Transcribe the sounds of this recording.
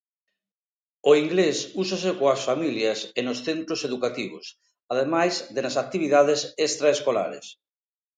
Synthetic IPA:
oiŋɡlesusasekoasfamiljɐsenosθent̪ɾoseðukat̪iβ̞ʊ̰s | aðemajzðenasak̚t̪iβiðaðesest̪ɾaeskola̰ɾḛs

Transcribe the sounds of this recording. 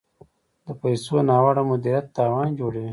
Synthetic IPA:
d̪əpajsonɑːwaɽamʊd̪iɾjat̪ːɑːwɑːnd͡ʒoɽewi

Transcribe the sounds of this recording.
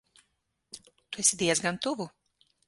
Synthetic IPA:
t̪uɛsʲid̪iɛzɡant̪uvu

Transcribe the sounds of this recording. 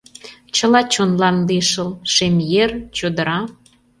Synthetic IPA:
t͡ɕəlɑt͡ɕonlɑnliʃə̆lʃemjert͡ɕod̪əɾɑ

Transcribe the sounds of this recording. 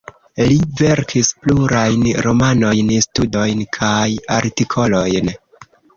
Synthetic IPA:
live̞ɾkʰispluɾajnɾo̞mano̞jnstudo̞jnkʰaja̰ɾtikʰo̞lo̞jn

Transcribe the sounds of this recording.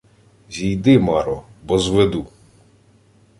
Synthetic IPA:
zʲijd̪ɪmɑɾɔbɔzʋed̪u

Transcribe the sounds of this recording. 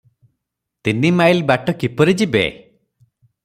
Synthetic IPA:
t̪inimajlbaʈɔkipɔɾid͡ʒibḛ

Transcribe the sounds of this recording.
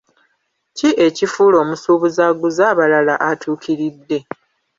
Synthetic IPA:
ciʔe̞cifulo̞ːmusuːβuzaɡuzaːβalalaʔatʰuːkʰiɾidːe̞

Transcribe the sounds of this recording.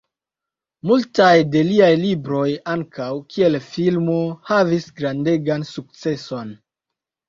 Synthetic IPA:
multajde̞liajlibɾo̞jaŋkʰawkʰie̞lfilmo̞havisɡɾande̞ɡansuk̚t͡se̞so̞n

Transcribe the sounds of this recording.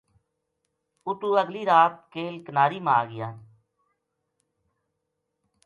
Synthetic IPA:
ʊʈuːəɡliːɾaːt̪̚keːlkənaːɾiːmaːɡɪjaː

